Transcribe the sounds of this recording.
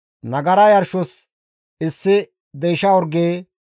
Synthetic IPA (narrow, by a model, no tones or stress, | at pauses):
nɐɡɐɾɐjɐɾʃɔs | ɪsːɪ | d̪ɛjʃɐɔɾɡeː